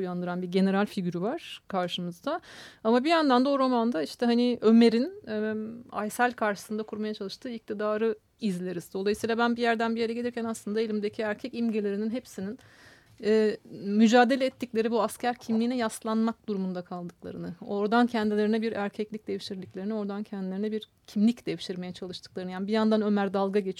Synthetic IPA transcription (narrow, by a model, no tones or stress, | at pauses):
ujand̪ɯɾanbiɟe̞ne̞ɾalʲfiɟʲyɾyvaɾ̥kʰaɾʃɯmɯzd̪aamabijand̪and̪ao̞ɾo̞mand̪aiʃt̪ʰɛɦaniøme̞ɾinɛa̰jsælʲkʰaɾʃɯ̥sɯnd̪akʰuɾmajat͡ʃʰalˠɯʃt̪ʰɯːic̚t̪ʰid̪aːɾɯ | izlʲeɾiz̥d̪o̞lˠajɯsiːlˠabænbijæɾd̪ænbijeɾɛɟe̞lʲiɾcʰænaslˠɯnd̪aelʲimd̪e̞cʰiæɾcʰɛcimɟelʲe̞ɾininɦepsinin | ɛːmyd͡ʒaːd̪e̞lʲɛːt̪ːiclʲe̞ɾibuascæɾcʰimlʲiːnɛjaslˠanmak̚d̪uɾumund̪akʰalˠd̪ɯklˠa̰ɾɯnɯo̞ɾd̪ancʰɛnd̪ilʲe̞ɾinɛbiɾæɾcʰɛclʲic̚d̪eviʃiɾlʲicʲlʲe̞ɾinio̞ɾd̪ancʰɛnd̪ilʲeɾinɛbiɾ | cʰimlʲicd̪̥eviʃiɾme̞jɛt͡ʃʰalˠɯʃt̪ɯk̚lˠaɾɯnɯjaːnibijand̪anø̞mæɾd̪alˠɡaɟe̞t͡ʃʰi